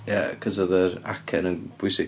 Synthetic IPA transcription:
jakʰəzəðəɾa̰kʰɛnənb̥ʊjsɪ

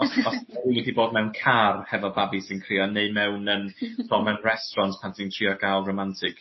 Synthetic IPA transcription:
ɔsɔsɛliɡidiboːd̚mɛwnkʰarhɛvɔbabisinkʰriːɔneɨmɛwnənpʰrɔmɛwnrɛstrɔntʰpʰantʰintʰr̥iɔɡ̥alˠromantʰɪk

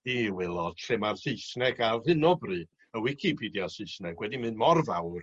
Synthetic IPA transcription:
iwɛlˠɔd̥ɬʰemarsɨjsnɛɡarhɨnɔbrɨ | əwɪkʰipʰiːdjasɨɨsnɛɡwɛdimɨnmɔrvawr

